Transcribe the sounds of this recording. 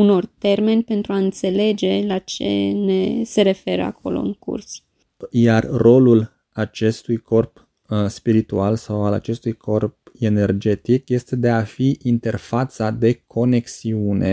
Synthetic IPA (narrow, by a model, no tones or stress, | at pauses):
uno̞rt̪e̞rme̞nʲpe̞nt̪ɾuaɨnt̪se̞le̞d͡ʒe̞lat͡ʃe̞̰ne̞se̞ɾe̞fe̞ɾə̰a̰kʰo̞̰lo̞̰ɨ̰ŋkṵrs | jarro̞lul | at͡ʃe̞st̪ujkʰo̞rp | spiɾit̪ualsawala̰t͡ʃe̞st̪ujkʰo̞rp̚e̞ne̞rd͡ʒe̞t̪ikje̞st̪e̞d̪e̞afiʔint̪e̞rfat̪sad̪e̞kʰo̞ne̞ksiunʔe̞